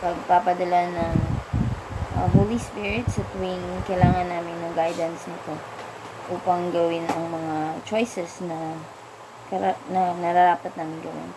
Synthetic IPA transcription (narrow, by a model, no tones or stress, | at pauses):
pɐɡ̚papɐd̪ɐlanɐŋ | ʔɐ̰holispɪɹɪt̪sɐt̪winkɐjlaːŋɐnːaːmɪnːɐŋɡajd̪ɐnsnɪt̪o̞ | ʔuːpɐŋɡɐwɪnɐŋmɐŋat͡ʃo̞jsɛsnɐ | kɐɾɐnɐnɐɾaɾaːpɐt̪̚naːmɪnɡɐwɪ̰n